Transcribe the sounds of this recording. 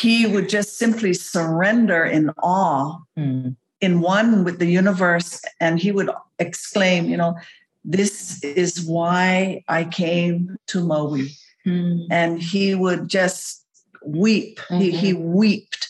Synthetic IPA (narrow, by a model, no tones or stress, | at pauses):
hiwɨd̚d͡ʒʌstsɪ̃mpʰlisə˞ɛ̃ndə˞ʔɪ̃nʔɔ | ɨ̃nwʌ̃nwɨðɨjʉnəvə˞sɨ̃niwɨɾɨksklẽɪ̃mjɨnoʊ | ðɪsɪzwaɪʔaɪkʰẽɪ̃mtʰəmoʊi | ɨ̃niwəd̚d͡ʒʌst̚ | wiphiiwip̚t̚